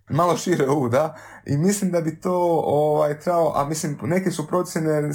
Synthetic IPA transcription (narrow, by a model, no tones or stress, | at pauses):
malo̞ʃiɾeuːd̪a | imislimd̪abit̪oːoʋajt̪ɾebaloʔa̰mislimne̞kesupɾo̞t̪sjene